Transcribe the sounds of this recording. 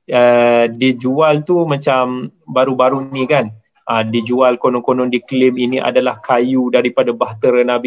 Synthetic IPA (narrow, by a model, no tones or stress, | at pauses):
ədid͡ʒualt̪umãt͡ʃambaɾubaɾunĩkan | ʔədid͡ʒualkonɔnkonɔ̃ndiklɪminiʔa̰dalahkajudaɾipadabaɦt̪əɾənãbi